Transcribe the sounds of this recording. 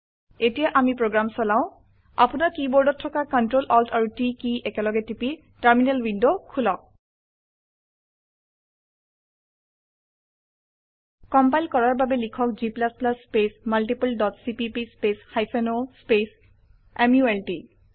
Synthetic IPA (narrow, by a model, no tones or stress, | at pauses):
etijaʔamipɹoɡɹamsɔlaʊ̃ | a̰punakibɔɹdɔtʰːɔkakɔntɹolɔltʰaɹutikiʔɛkɛlɔɡɛtipi | taɹminalwindokʰulɔk̚ | kɔmpajlkɔɹaɹbabɛlikʰɔkziplasplaspesmalʈipuldɔtsipipispeshajpʰɔnospes | emjuɛlʈi